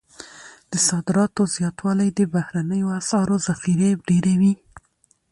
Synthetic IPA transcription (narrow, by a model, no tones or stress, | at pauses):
d̪̥əsɑd̪ɪɾɑt̪ozjɑt̪wɑlajd̪əbahɾanəjoasɑɾozaxiɾebɖeɾewi